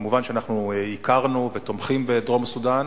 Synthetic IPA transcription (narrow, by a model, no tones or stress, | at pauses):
muvanʃeanaχnuikaʁnuvet̪o̞mχimbed̪ʁo̞masud̪an